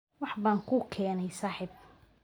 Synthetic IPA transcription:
wɑħbaːŋkʰʊkʰɛːnɛjsaːħɪb̚

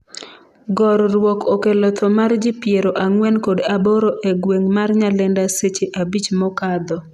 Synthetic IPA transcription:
ɡɔɾɾwɔkokelɔt̪ʰɔmard͡ʒɪpjeɾoʔaŋwɛnkodaboɾoʔeɡweŋmarɲalɛndaset͡ʃeʔabit͡ʃmɔkad̪ɔ

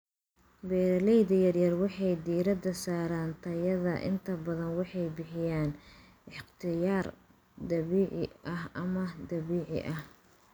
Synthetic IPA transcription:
bɛːɾlɛjðɐjɐrjɐrwɑħɑjd̪iːɾɐd̪ɐsaːɾaːnt̪ʰɐjɐðɐ̰ʔɪ̰nt̪ʰɐbɐðɐnwɑħɑjbɪħɪjaːn | ɪħqt̪ʰɪjaːr | d̪ɐβiːʕɪ̰ʔɐɦɐmɐd̪ɐβiːʕɪ̰ʔɐh

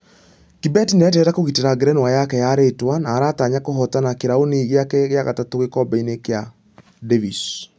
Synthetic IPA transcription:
kibɛtinɛtɛɾakoɣiteɾaɡɾɛnwajakɛjaɾetwanaːɾataːɲakoɦɔtanakeɾaoniːɣeakɛɣeaɣatatoɣekɔbɛinekea | devis

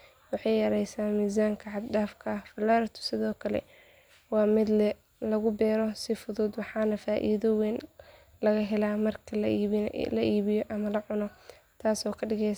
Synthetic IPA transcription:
wɑħɑjjɐɾɛjsaːmiːzaːŋkʰɐʕɑd̪daːfkʰɐhfɐlaːɾt̪ʰʊ̥sɪðɔːkʰɐlɛ̰ | wɑːmɪd̪lɛ | lɐɣʊbɛːɾɔsɪfʊðuːd̪wɑħɑːnɐfaːʔḭːðɔwɛːn | lɐɣɐɦɛlaːmɐrkʰɐl̰ːlɐʔiːβɪjɔʔɐmɐlɐʕʊnɔ | t̪ʰaːsɔːkʰɐɖɪɣɛj

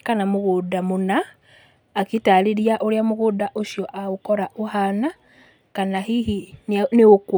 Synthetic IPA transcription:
kanamoɣodamonaː | kitaɾiɾiaʔoɾeamoɣoːdaʔoɕjɔʔaokɔɾaʔohana | kanaɦiɦinneok

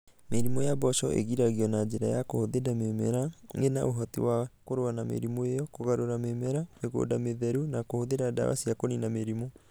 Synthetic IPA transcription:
meɾimɔjabɔʃɔʔḛɣiɾaɣiɔnad͡ʒeɾajakohoðedamemɛɾaŋenaʔoɦɔtḭwakoɾoanamḛɾimoejɔkoɣaɾoɾamemɛɾameɣo̰dameðɛɾunakohoðeɾada̰wa̰siakoninameɾimɔ

